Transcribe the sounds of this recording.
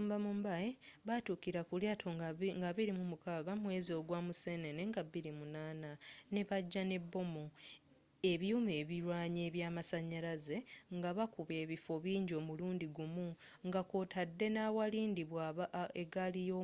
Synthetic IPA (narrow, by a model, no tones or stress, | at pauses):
uːmbamumbajeβatukiɾakuljaːtʰoŋɡaβiɾimumukaːɡamwe̞zio̞ːɡwaːmuseːne̞neŋɡabiɾimunaːnane̞βaɟːane̞bːo̞mu | e̞βjuːme̞ːβiɾwaːɲe̞ːβjaːmasaɲaɾaze̞ŋɡaβakuβe̞ːβifo̞βiːɲɟo̞ːmuluːndiɡumu | ŋɡakotʰadːe̞naːwaliːndiβwaeɡalijo